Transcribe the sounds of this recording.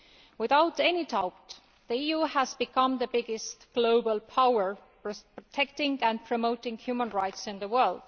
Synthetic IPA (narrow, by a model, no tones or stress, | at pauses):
wɪðaʊtenidaʊpt | ðiijuhæzbikʰʌ̃mðəbɪɡɪstɡ̥loʊbəlpʰawə˞ | pɹotʰɛk̚tɪ̃ŋɡæ̃npʰɹ̥omoʊtɪ̃ŋhjumə̃nɹaɪtsɪ̃nðəwɜ˞ld̥